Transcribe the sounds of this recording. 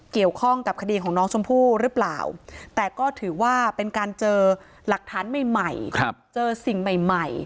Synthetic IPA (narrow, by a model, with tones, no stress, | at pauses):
ki˨˩əwkʰɔ˥˩ŋka˨˩p̚kʰa˧diː˧kʰɔː˩˦ŋnɔː˦˥ŋt͡ɕʰo˧mpʰuː˥˩ɾɯː˦˥pla̰ː˨˩wt̪ɛː˨˩kɔː˥˩t̪ʰɯː˩˦waː˥˩pe˧nkaː˧nt͡ɕɤː˧ | la˨˩k̚t̪ʰaː˩˦nma˨˩jma˨˩jkʰa˦˥p̚t͡ɕɤː˧si˨˩ŋma˨˩jma˨˩j